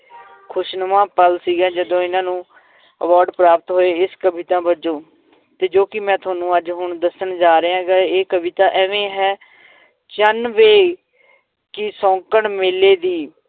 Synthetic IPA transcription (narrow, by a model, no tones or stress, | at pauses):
kʰʊʃnəmãːpəlsiːɡɛ̃ːd͡ʒəd̪õːɪnãːnũː | əʋaːɾɖpɾaːpət̪ɦoːeːɪskəbit̪ãːbəd͡ʒõː | t̪eːd͡ʒoːkɪmɛ̃ːt̪ʰʊaːnũːəd͡ʒɦʊɳd̪əsəɳd͡ʒaːɾəːãːɡaeːkəʋɪt̪aːʔɛːʋẽːɦɛː | t͡ʃənʋeː | kɪsɔ̃ːkəɳmɪleːd̪iː